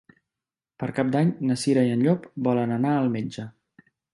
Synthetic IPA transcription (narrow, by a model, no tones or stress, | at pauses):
pəɾkap̚d̪aɲnəsiɾəiənʎopbɔlənənaəlˠmed͡ʒə